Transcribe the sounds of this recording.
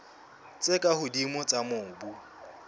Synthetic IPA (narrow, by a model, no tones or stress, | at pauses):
t͡sʼɪkʼahʊdimʊt͡sʼamʊːŋ̩bu